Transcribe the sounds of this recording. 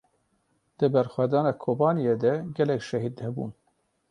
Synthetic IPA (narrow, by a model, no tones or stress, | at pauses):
d̪̥ɨbɛɾxʷwæd̪ɑːnɑːkʰoːbɑːnijeːd̪ɛɡʲɛlɛkʃɛɦid̪nɛbṵːn